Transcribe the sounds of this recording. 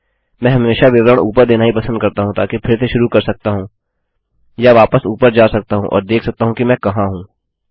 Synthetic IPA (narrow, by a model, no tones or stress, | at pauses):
mɛ̃ːɦɐmeːʃaʋɪʋɾəɽ̃ṵːpəɾd̪eːnaɦipɐsə̃nd̪̚kɐɾt̪aɦũt̪aːkepʰɪɾt̪ʰeʃʊɾukɐɾsɐk̚t̪aɦũː | jaʋaːpəsuːpəɾd͡ʒaːsɐk̚t̪aɦũʔɔ̰ːɾd̪eːkʰsɐk̚t̪aɦũkimɛ̃ːkɐɦãɦũː